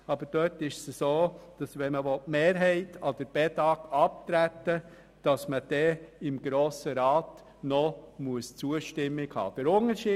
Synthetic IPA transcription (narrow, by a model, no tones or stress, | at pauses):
ɑbəd̥œtɪʃsəsoːd̥ɑsʋɛnməvɔtmeːɾɦɛɪtɑd̪̥əɾb̥ɛtɑːkɑp̚tɾætːə | d̥ɑsməd̥ɛɪmɡ̥ɾoːsəɾɑːt | nɔmuəst͡suəʃtɪmːɪkhɑ̰ːd̥əɾʊnəɾʃiː